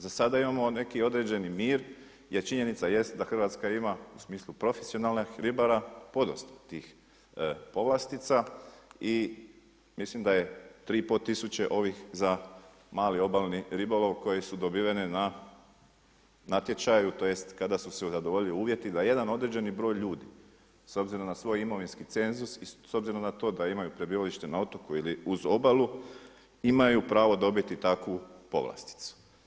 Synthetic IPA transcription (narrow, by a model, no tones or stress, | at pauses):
zasad̪aimamo̞ne̞kio̞d̪ɾed͡ʑe̞nimiːɾ | jeɾt͡ʃiɲenit̪saje̞st̪d̪axr̩ʋaːt̪skaimausmiːslupɾo̞fesio̞nalˠnaxɾibaɾapo̞d̪o̰st̪t̪iːx | po̞ʋlast̪it̪sai | mislimd̪aje̞t̪ɾiːpot̪ːisut͡ɕe̞ʔo̞ʋixza | maːlio̞balniɾibolo̞ʋko̞jesud̪o̞biːʋenena | nat̪je̞t͡ʃajut̪ojest̪kad̪asuseuzad̪oʋo̞ʎiliuːʋje̞t̪id̪aje̞d̪ano̞d̪ɾe̞d͡ʑe̞nibɾo̞ːjʎuːd̪i | so̞bziɾomnasʋo̞ːjimo̞ʋinskit̪se̞nzusiso̞bziɾo̞mnat̪o̞ːd̪aimajupɾe̞biːʋaliʃt̪e̞naot̪o̞kuiliuzo̞balˠu | imajupɾaːʋo̞d̪o̞bit̪it̪akupo̞̰ʋlˠa̰st̪i̥t̪su̥